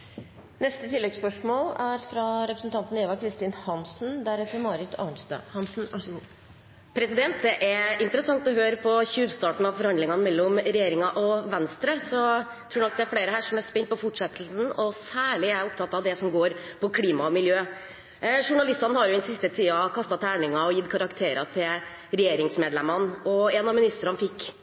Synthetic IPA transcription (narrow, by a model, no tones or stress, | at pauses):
nɛst̪ət̪ʰɪlːɛɡspœʂmoːlæɾfɾɑɾɛpɾəsn̩t̪ʰɑnt̪n̩ɛːʋɑkʰɾɪst̪ɪnhɑnsnd̪æɾɛt̪ːəɾmɑːɾɪt̪ʰɑ̰nst̪ːhɑsn̩ | pʰɾɛsɪd̪ɛnt̪̚d̪ɛʔæɾɪnt̪əɾəsɑŋt̪ɔɦøːɾəpʰɔçʉːʋst̪ɑːʈɳ̩ɑʋfɔɾhɑnd̪lɪŋɑnəmɛlːɔmɾɛjeːɾɪŋɑʔɔʋɛnst̪ɾəsɔ | t̪ʰɾuːɛnɔk̚d̪ɛæɾfɽeːɾəhæːʂɔmæɾspɛnt̪̚pɔfɔʈʂɛt̪ʰːl̩sn̩ɔsæːɭɪæɾʊpt̪ʰɑt̪ːɑʋd̪ɛsɔmɡoːɾpʰɔkʰliːmɑmɪljøː | ʂʊɳɑlɪst̪ɑnhɑɾjʊd̪ɛnsɪst̪ət̪ʰiːɑkʰɑst̪ɑt̪ʰæːɳɪŋɑɔjɪt̪ːkʰɑɾɑkt̪ʰeːɾɑt̪ʰɪl | ɾɛjeːɾɪŋsmeːd̪lɛmɑnɔɛnɑmɪnɪst̪əɾɑnfɪkː